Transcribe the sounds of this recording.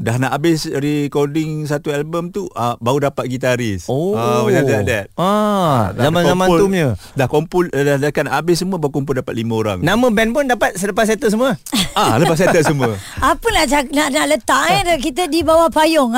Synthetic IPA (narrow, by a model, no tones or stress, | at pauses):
dahnaʔabɪsrikodɪŋs̬at̪uɛlbəmt̪uʔabaudapat̪̚ɡit̪aɾɪsoawiadadɛt̪̚a | ammankzamanumɲədahkompʊldahdakanaʔabɪsəmuəbaukɔmpʊldapat̪̚limãoɾa̰ŋnamə̃bɛnpʊndapat̪̚sələpas̬ɛt̪əs̬əmuəaləpas̬at̪əsəmuəapənad͡ʒanaʔnaʔlət̪aʔɛdkit̪̬ədibawahpajɔŋ